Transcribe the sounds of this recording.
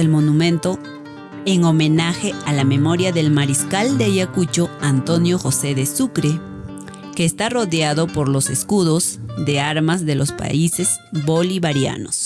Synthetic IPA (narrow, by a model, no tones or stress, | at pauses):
elmo̞numẽnt̪o̞ | eŋo̞mẽ̞naxe̞alame̞mo̞ɾjaðe̞lmaɾiskald̪ejakut͡ʃo̞ant̪o̞njoxo̞se̞ðesukɾe | ke̞ːst̪aro̞ðjaðo̞po̞ɾlo̞se̞skuðo̞zðe̞aɾmazðe̞lo̞spa̰ise̞z̥ | βo̞liβaɾja̰nos